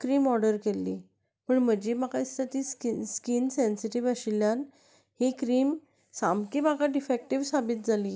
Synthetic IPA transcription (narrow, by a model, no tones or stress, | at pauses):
kɾiːmɔɾɖəɾkelːḭː | pəɳm̤əd͡ʑimakaist̪ʰət̪iːskiskinsensiʈiʋəɕiljan | hekɾiːm | samkimakaɖifɛk̚ʈiʋsabit̪̚d͡zʱali